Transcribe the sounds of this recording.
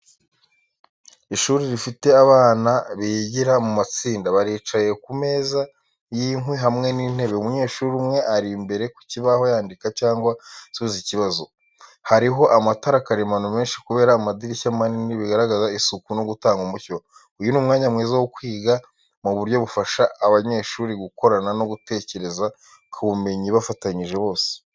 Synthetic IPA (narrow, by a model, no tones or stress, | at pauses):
iʃuːɾiɾifite̞aβaːnaβiɟiɾamumat͡siːndaβaɾiːt͡ʃaje̞kume̞ːza | jiŋwiɦamŋe̞niːn̥he̞βe̞umuɲe̞ːʃuɾumŋe̞ʔaɾimbe̞ɾe̞ku̥ciβaho̞jaːndikacaːŋɡwasuziciβazo̞ | haɾiɦo̞ʔamataɾakaɾemanume̞ːnʃi̥kuβe̞ːɾaːmadiɾicamaniniβiɡaɾaɡazaisukunoɡutaːŋɡumuço | ujunuːmŋaːɲamŋeːzawokwiːɡa | muβuɾjo̞βufaʃaːβaɲe̞ːʃuːɾiɡuko̞ɾanano̞ɡute̞ːce̞ɾe̞za | kʰuβume̞ɲiβafataɲiʒe̞βo̞ːse̥